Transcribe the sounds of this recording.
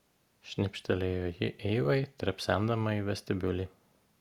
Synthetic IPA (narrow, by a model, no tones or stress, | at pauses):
ʃʲnʲɪpʲʃʲt̪ʲɛlʲejoːjɪ̰ʔɛɪʋɐɪt̪ʲɾʲɛpʲsʲæˑnd̪ɐmɐiʋʲɛsʲt̪ʲɪbʲʊlʲiː